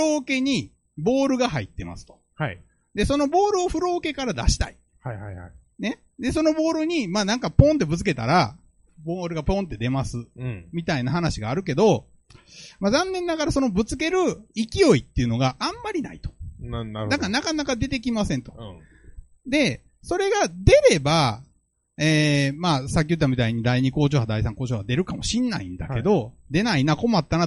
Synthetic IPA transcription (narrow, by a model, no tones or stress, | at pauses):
ɯo̞ːke̞ɲ̟i | bo̞ːɾɯ̟ɡaɦaḭt̪ːe̞ma̰sɨ̥t̪o̞̥ | ha | d̪e̞so̞no̞bo̞ːɾɯ̟o̞ɸɯ̟ɾo̞ːke̞kaɾad̪a̰ɕi̥t̪a̰i | haihaa | ne̞ | d̪e̞s̬o̞no̞bo̞ːɾɯ̟ɲ̟imaːnãŋkapõ̞nt̪̬e̞bɯ̟t͡s̬ɨ̥ke̞t̪a̰ɾa | boːɾɯ̟ɡapõ̞nt̪ːe̞d̪e̞masɨmʲit̪ainaɦanaɕiɡaːɾɯ̟k̬e̞d̪o̞ | mazãnːẽ̞nːaɡaɾaso̞no̞bɯ̟t͡sɨ̥k̬e̞ɾɯ̟ikʲio̞it̪ːe̞ɯ̟no̞ɡaʔãmːaɾʲina̰it̪o̥ | d̪akanakanakad̪e̞t̪e̞kʲimasẽ̞nt̪o | d̪e̞ | so̞ɾe̞ɡad̪e̞ɾe̞ba | eːmaːsak̬ʲiɨɯt̪̬ːamʲit̪aiɲ̟id̪aiɲ̟iko̞ːt͡ɕo̞ːhad̪aisãŋko̞ːt͡ɕo̞ːhad̪e̞ɾɯ̟kamo̞ɕinːa̰ḭ̃nd̪a̰ke̞d̪o̞d̪e̞nainako̞mat̪ːana